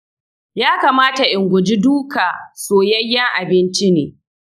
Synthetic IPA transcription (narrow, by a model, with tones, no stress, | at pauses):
jaː˦kaː˨maː˦ta˨ʔɪ˨ŋɡʷʊ˨d͡ʒi˦duː˦kaː˨soː˨jɐ˦jːɐ˦ŋʔa˨bɪ˦nt͡ʃi˦neː˨